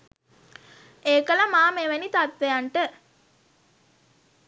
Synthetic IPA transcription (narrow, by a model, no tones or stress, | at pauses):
eːkəlɐmaːmeʋɐnit̪at̪ʋejaɳʈə